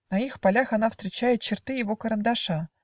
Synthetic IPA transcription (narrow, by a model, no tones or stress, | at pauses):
nɐixpalʲaxɐnafst̪ɾʲɪt͡ɕæjʊt̪̚t͡ɕɪrt̪ɨjɪvokəɾənd̪aʂa